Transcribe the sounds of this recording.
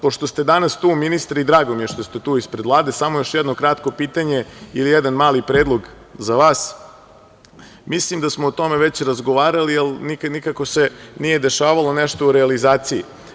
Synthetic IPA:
po̞ʃt̪ost̪e̞d̪anast̪uːminist̪ɾid̪ɾaːɡomijeʃt̪ost̪et̪uːispɾed̪ʋlˠaːd̪esamojo̞ʃjɛd̪nokɾat̪ko̞piːt̪aɲe̞ilijɛd̪anmaːlipɾeːd̪lˠo̞ɡ | zaʋaːs | mislimd̪asmoot̪o̞meʋet͡ɕɾazɡoʋaːɾalijelnikanikako̞senije̞d̪e̞ʃaːʋalˠo̞neʃt̪ouɾɛalizaːt̪sijḭ

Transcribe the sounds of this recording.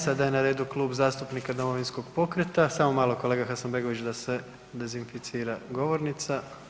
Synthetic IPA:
sad̪ajenaɾe̞ːd̪uklˠuːbzaːst̪upnikad̪o̞mo̞ʋinsko̞ɡpo̞kɾet̪asaːmomaːlˠoko̞lˠe̞ːɡaxasanbe̞ːɡo̞ʋit͡ʃd̪ase̞ | d̪ezinfit̪siːɾaɡo̞ʋo̞ɾnit̪sa

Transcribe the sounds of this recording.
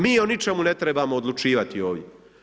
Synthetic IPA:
miːonit͡ʃe̞mune̞t̪ɾebaːmoːd̪lˠut͡ʂiːʋat̪ioːʋjʲe

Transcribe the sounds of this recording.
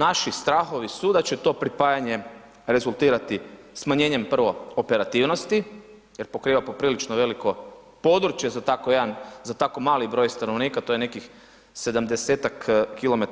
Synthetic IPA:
naʃist̪ɾaːxo̞ʋisud̪at͡ɕe̞t̪o̞ːpɾipajaɲe̞ | ɾe̞zulˠt̪iːɾat̪i | smaɲe̞ːɲe̞mpr̩ʋo̞ope̞ɾat̪iʋno̞st̪i | jeɾpo̞kɾiːʋapo̞pɾiːlit͡ʃnoʋe̞liko̞ | po̞d̪ɾut͡ʃje̞zat̪akoje̞d̪anzat̪akomaːlibɾo̞jst̪anoʋniːkat̪o̞jene̞kix | se̞d̪amd̪e̞set̪akːilo̞met

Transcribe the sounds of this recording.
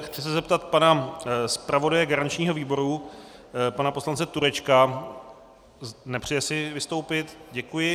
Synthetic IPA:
xt͡sɪsɛzɛp̚t̪at̪panaspɾavo̞dajɛɡaɾant͡ʃɲiːɦo̞viːbo̞ɾu | panapo̞slant͡sɛt̪uɾɛt͡ʃka | nɛpr̝̥ɛjɛsɪvɪst̪owpɪt̪ɟɛkujɪ

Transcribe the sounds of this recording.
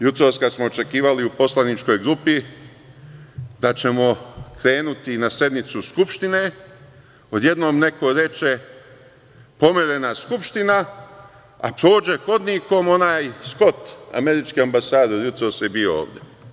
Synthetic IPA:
jut̪ɾoskasmo̞ot͡ʃe̞kiːʋaliupo̞slˠanit͡ʃko̞jɡɾupi | d̪at͡ɕe̞mo̞kɾe̞ːnut̪inasje̞d̪nit̪suskupʃt̪ine̞ | o̞d̪je̞d̪no̞ːmne̞ko̞ɾe̞t͡ʃe | po̞meɾe̞naskupʃt̪ina | a̰pɾoːd͡ʒe̞ko̞d̪niko̞mo̞naːjsko̞t̪a̰me̞ɾit͡ʃkiambasaːd̪odjut̪ɾoːskebioo̰ːʋd̪je̞

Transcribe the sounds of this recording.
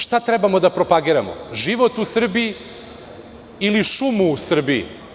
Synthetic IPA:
ʃt̪at̪ɾɛbamo̞d̪apɾo̞paɡiɾamo̰ʒiʋo̞t̪usr̩bii | iliʃumuːsr̩biḭ

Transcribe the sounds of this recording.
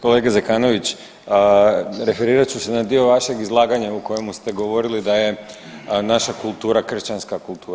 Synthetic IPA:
koleɡezekaːno̞ʋit͡ɕ | ɾe̞fe̞ɾiːɾat͡ɕuse̞nad̪io̞ʋaʃe̞ɡizlˠaːɡaɲauko̞je̞must̪e̞ɡo̞ʋo̞ɾilid̪aje̞ | naʃakulˠt̪uːɾakr̩ʃt͡ʃanskakulˠt̪ʰuːɾa

